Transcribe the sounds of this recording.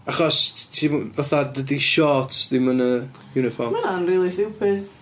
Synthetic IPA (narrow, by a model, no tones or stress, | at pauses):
aχɔstʰiməθadədiʃɔtð̥ɪmənə | juːnɪfɔrmmananriːlˠisɪwpʰɪθ